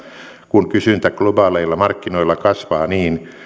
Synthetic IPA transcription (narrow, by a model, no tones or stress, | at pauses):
kunkysynt̪æklobɑːleilːɑmɑrkːinoilːˑɑkɑsʋɑːniːn